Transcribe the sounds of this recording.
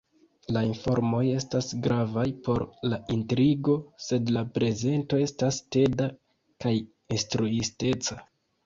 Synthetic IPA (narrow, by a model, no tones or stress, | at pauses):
lainfo̞ɾmo̞je̞stasɡɾavajpo̞ɾlaʔintɾiɡo̞se̞dlapɾe̞ze̞nto̞e̞staste̞da | kaj | estɾuiste̞t͡sa